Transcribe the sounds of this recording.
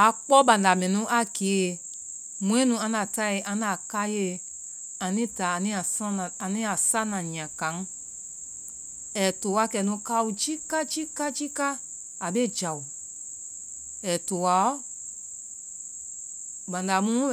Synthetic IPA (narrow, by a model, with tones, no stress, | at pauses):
a˨k͡pɔ˦ɓã˨da˨mɛ̃˨nũ˦ʔa˦ke˨˦˨ | mũ˦ɛ̃˦nũ˧˦ã˧na˨ta˦i˨ʔã˧˦na˨ka˦je˦˨ | ã˨nĩ˦ta˨a˨nĩ˦a˨sã˦˨a˨nĩ˦a˨sa˦nã˨ɲ̃˨ã˨ka˨˦ŋ˦ | ɛ˨to˨wa˧˦kɛ˨˦nũ˧˦ka˧˦u˧d͡ʒi˦ka˦d͡ʒi˦ka˦d͡ʒi˦ka˦ | a˨be˦˨d͡ʒa˨u˨ | ɛ˨to˨wa˨ɔ˦ | bã˨nda˨mũ˦